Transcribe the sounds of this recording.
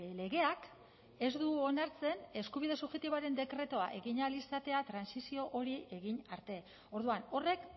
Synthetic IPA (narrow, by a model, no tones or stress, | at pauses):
le̞ɣe̞ak | e̞zd̪uonaɾt͡se̞ne̞skuβ̞iðe̞suʝe̞t̪iβaɾe̞nd̪e̞kɾe̞t̪oaʔe̞ɣiɲalisat̪e̞at̪ɾansisio̞ʔoɾie̞ɣiɲaɾt̪e̞ | o̞ɾðuano̞re̞k